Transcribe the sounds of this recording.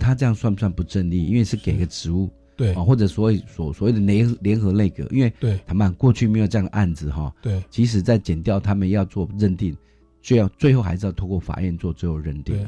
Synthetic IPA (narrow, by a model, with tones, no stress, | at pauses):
t̪ʰa˦˥ʈ͡ʂɤ˥˧jɑ˥˩ŋswa˥˧nswa˥˩npu˧˦ʈ͡ʂə˥˧nli˥˨i˥nwe˥˧ɪʂɻ̩˥˩ke˨˩ɪi˨ɡə˧ʈ͡ʂɻ̩˧˦u˥˩˥ | ɔ˨xwɔ˥˩ʈ͡ʂɤ˨˩swɔ˧˦we˨˩ɪsɔ˨˩swɔ˨˩we˥˩ɪd̪ə˨le˧˥xljɛ˧˥nxɤ˧˥le˥˩ɪkɤ̰˨˦ʔḭ˦˥nwe˥˩ɪt̪ʰa˨˥ma˥˨nkwɔ˥˧t͡ɕʰy˥˩me˧˥ɪjʈ͡ʂjŋd̪ə˧ʔa˥˩nd͡zɹ̩˨˩xɔ˨˩˥t͡ɕʰi˧˥ʂ̬ɻ̩˨˩t͡sa˥˩ɪt͡ɕjɛ˨˩nt̪jɑ˥˩ʊt̪ʰa˥mə˨njɑ˥˧ʊt͡swɔ˥˧ɻə˥˧nt̪i˥˩ŋ | t͡ɕjo˥˧jɑ˥˧ʊt͡swe˥˧ɪxo˥˩ʊxa˧˥ɪɻ̩˧˥˧t̪ʰo˥˧ʊkwɔ˥˩fa̰˨˩ɥɛ˥˧nt͡swɔ˥˧t͡swe˥˧ɪjo˨˩ʊɻə˥˧nt̪i˥˨˩ŋ